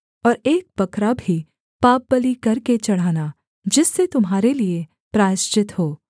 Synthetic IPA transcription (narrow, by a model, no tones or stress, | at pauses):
ɔːɾeːk̚bɐkɾabʱi | paːp̚bɐlikɐɾket͡ʃɐɽ̤aːna | d͡ʒɪsːet̪ʊmɦaːɾelie | pɾaːʃt͡ʃɪt̪hoː